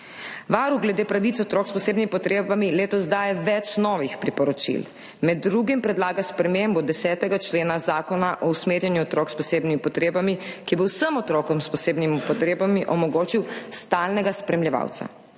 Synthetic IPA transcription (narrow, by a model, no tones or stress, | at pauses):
ʋaːɾuɡlɛd̪eːpɾaʋit̪sɔt̪ɾɔːkspɔseːbnimipɔt̪ɾeːbamileːt̪ɔzd̪ajɛʋɛt͡ʃnɔːʋixpɾipɔɾɔt͡ʃḭl | mɛd̪ːɾuɡimpɾɛd̪laːɡaspɾɛmembɔd̪ɛsɛːt̪ɛɡat͡ʃleːnazaːkɔnaʔɔusmeːɾjɛnjuɔt̪ɾɔːkspɔseːbnimipɔt̪ɾeːbamikibɔwsəmɔt̪ɾɔːkɔmspɔseːbnimipɔt̪ɾeːbamiʔɔmɔɡoːt͡ʃiwst̪aːlnɛɡaspɾɛmljɛʋa̰wt̪sa̰